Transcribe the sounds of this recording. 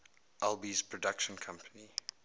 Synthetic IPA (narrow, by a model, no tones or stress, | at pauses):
ʔɛlˠbizpʰɹ̥ɔdakʃə̃nkʰʌ̃mpʰəni